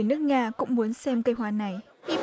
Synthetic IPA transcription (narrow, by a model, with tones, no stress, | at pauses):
nɨ˦˥ək̚ŋaː˧kʊ̰˧˥ŋ͡mmu˨˦ənsɛ˧mkə˧jɦwaː˧˩na˨˩j | ʔi˧˩